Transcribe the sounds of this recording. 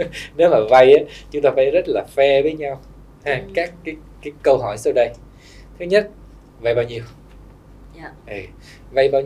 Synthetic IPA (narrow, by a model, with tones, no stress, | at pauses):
ne˨˦wmaː˨˩va˧jʔaː˨˦t͡ɕʊ˨˦ŋ͡mt̪aː˧fa̰ː˧˦jzə˦˥t̚laː˨˩fɛ˧vəː˨˦jɲa˧w̪ʰ | a˧˨ŋkaː˦˥kːaː˨˦j | kaː˨˦jkə˧wɦɔ˧˩jsa˧wɗə˧j | t̪ʰɨ˨˦ɲə˦˥t̚ | va˧jɓaː˧wɲi˧˩əw | ʔə˨˩ | va˧jɓaː˧